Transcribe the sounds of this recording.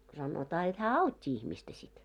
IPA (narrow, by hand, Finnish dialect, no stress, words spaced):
sɑnotɑː jot hæː ɑutʲːi ihmistæ sit